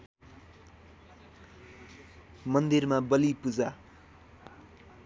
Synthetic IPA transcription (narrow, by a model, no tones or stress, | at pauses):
mʌnd̪irmabʌlipud͡za